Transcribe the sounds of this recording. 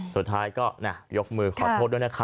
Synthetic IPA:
su˨˩t̪̚ʰːaː˦˥jkɔː˥˩na˥˩jo˦˥k̚mɯː˧kʰɔː˨˧t̪oː˥˩t̪̚u˥˩jna˥˩kʰa˦˥

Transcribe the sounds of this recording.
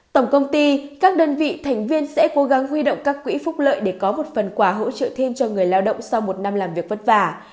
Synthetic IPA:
t̪ə˧˩wŋ͡mkə˧wŋ͡mt̪i˧kaː˦˥k̚ɗəː˧nvḭ˧˨t̪ʰa˨˩ŋ̟vi˧ənsɛ̰˧˥ko˨˦ɣa˨˦ŋɦwi˧ɗo̰˧˨wŋ͡mkaː˦˥kːwḭ˧˥fʊ˦˥k͡p̚lə̰ː˧˨jɗe˧˩kɔ˨˦mo˨˩t̚fə˨˩nkwaː˧˩ɦo̰˧˥t͡ɕə̰ː˧˨t̪ʰe˧mt͡ɕɔ˧ŋɨ˨˩əjlaː˧wɗə̰˧˨wŋ͡msa˧wmo˨˩t̚na˧mlaː˨˩mvi˨˩ək̚və˦˥t̚vaː˧˩

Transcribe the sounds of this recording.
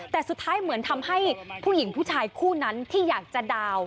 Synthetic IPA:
t̪ɛː˨˩su˨˩t̪ʰːaː˦˥jmɯ˩˦ənt̪ʰa˧mha˥˩jpʰuː˥˩ji˩˦ŋpʰuː˥˩t͡ɕʰaː˧jkʰuː˥˩na˦˥nt̪ʰiː˥˩jaː˨˩k̚t͡ɕa˨˩daː˧w

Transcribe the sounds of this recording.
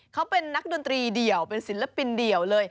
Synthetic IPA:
kʰa˦˥wpe˧nːa˦˥k̚do˧nt̪ɾiː˧di˨˩əwpe˧nsi˨˩˦nla˧˥pi˧ndi˨˩əwlɤː˧j

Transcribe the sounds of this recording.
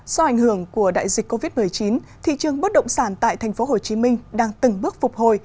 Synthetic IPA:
zɔ˧ʔa˧˩jŋ̟hɨ˧˩əŋku˧˩əɗa̰ː˧˨jzï̟˨˩kːo˧vi˦˥t̚mɨ˨˩əjt͡ɕi˨˦n | t̪ʰḭ˧˨t͡ɕɨ˨˩əŋɓə˦˥t̚ɗə̰˧˨wŋ͡msaː˧˩nt̪a̰ː˧˨jt̪ʰɛ˨˩jŋ̟fo˨˦ɦo˨˩t͡ɕi˨˦mï˧ŋ̟ɗaː˧ŋt̪ɨ˨˩ŋɓɨ˦˥ək̚fʊ˨˩k͡p̚ho˧˨˩j

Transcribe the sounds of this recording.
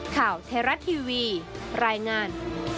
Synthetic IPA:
kʰaː˨˩wt̪ʰeː˧ɾa˦˥t̪ʰiː˧wiː˧ɾaː˧jŋaː˧n

